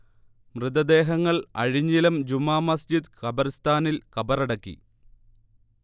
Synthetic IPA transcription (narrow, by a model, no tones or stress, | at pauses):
mrɨd̪ɐd̪e̞ːɦɐŋːɐɭɐ̰ɻiɲːilɐmd͡ʑumːaːmɐsd͡ʑid̪kɐbɐɾst̪ʰaːnilkɐbɐɾɐɽɐkːḭ